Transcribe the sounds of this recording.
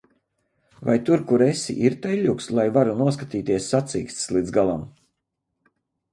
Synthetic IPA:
va̰jt̪uɾkuɾesḭʔiɾt̪ɛlʎʲukslˠajvaɾunuɔskat̪iːt̪iɛsːat̪sḭːkst̪slˠid̪zɡalˠam

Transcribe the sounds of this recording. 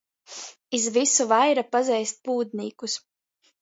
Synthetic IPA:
izvisuvajɾapazɛjst̪̚puːd̪̚niːkus

